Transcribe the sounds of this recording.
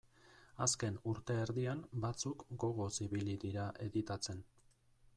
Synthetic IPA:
aske̞nuɾt̪e̞ːɾðiambat͡sukɡo̞ɣ̞o̞siβiliðiɾaʔe̞ðit̪at͡se̞n

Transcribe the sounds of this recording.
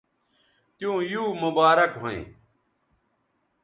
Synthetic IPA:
t̪jũːjuːmubaːɾɐkɦoḛ̃ː

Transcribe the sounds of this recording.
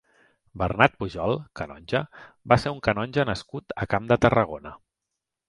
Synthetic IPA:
bərnat̪̚puʒɔlˠkənɔ̰nʲʒəbaseuŋkənɔnʲʒənəskut̪əkamd̪ət̪ərəɣonə

